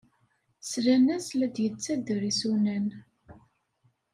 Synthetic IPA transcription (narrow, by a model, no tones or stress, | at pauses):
slænæslæd̪jət͡sːæd̪əɾisunæn